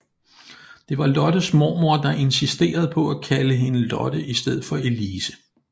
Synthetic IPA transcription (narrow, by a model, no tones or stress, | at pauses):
d̥e̝ʋɑ̈lɒ̽d̥əsmo̰ːmoɐd̥ɑ̈ʔe̝nsisd̥e̝̰ːɐð̞̩ˠpʰɒ̽ækʰæləɦe̝nəlɒ̽d̥əʔisd̥eð̞̰̩ˠfɒ̽e̝liːsə̥